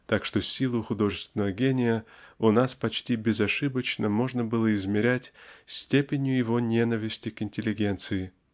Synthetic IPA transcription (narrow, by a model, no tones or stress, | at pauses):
t̪akʂt̪o̞sʲilˠʊxʊd̪o̞ʐɨst̪vʲɪnːəvəɡʲenʲɪjəʊnaspɐt͡ɕtʲibʲɪzɐʂɨbət͡ɕnəmo̞ʐnəbɨlˠəɪzmʲɪɾʲætʲsʲtʲepʲɪnʲjʊjɪvo̞nʲe̞nəvʲɪsʲtʲɪkɪnʲtʲɪlʲɪɡʲe̞nt̪sɨɪ